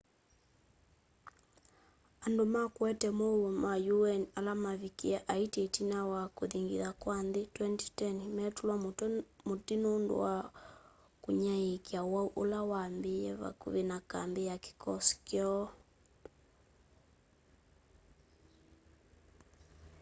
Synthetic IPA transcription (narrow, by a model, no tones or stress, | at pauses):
andomakwɛtɛmɔwɛmajuɛnalamavikiaʔaitetinawakoðiŋɡḭðakwanðetwɛnti̥tɛnmɛtulwamotinondo̰wa | koɲaekiawauʔolawambeɛβa̰kṵβenaka̰mbeake̥kɔskjɔ